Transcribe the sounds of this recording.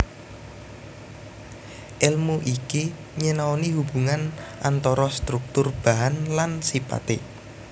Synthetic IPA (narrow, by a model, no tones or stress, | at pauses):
ʔɛlmuʔiki | ɲenaoniɦub̥uŋanʔant̪ɔɾɔst̪ɾuk̚t̪ʊrb̥aɦanlansipa̰t̪ɪ